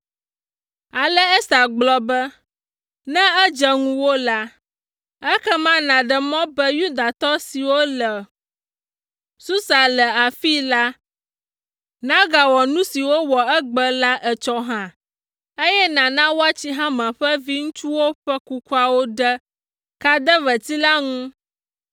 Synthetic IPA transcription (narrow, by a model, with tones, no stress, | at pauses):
a˨lɛ˦ɛ˦sa˨ɡ͡blɔ˦bɛ˦ | nɛ̃˦ɛ˦d͡ʒɛ˨ŋũ˦wo˦la˦ | ɛ˦kɛ˦mã˦nã˨ɖɛ˨mɔ̃˦bɛ˦ju˦d̪a˨t̪ɔ˦si˨wo˦lɛ˨ | su˦sa˨lɛ˨a˨fi˦la˦ | nã˦ɡa˨wɔ˨nũ˦si˨wo˦wɔ˨ɛ˦ɡ͡bə˦la˦ʔɛ˨t͡ʃɔ˦ɦã˦ | e˦jɛ˦nã˨nã˦wo˦a˦t͡ɕi˦ɦã˦mɛ̃˨ɸɛ˦vi˦ŋũ˦t͡ʃu˦wo˦ɸɛ˦ku˦ku˦a˦wo˦ɖə˦ | ka˦d̪ə˦və˨t̪i˦la˦ŋũ˦